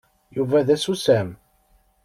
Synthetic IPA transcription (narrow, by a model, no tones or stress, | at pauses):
juvæðæsusæm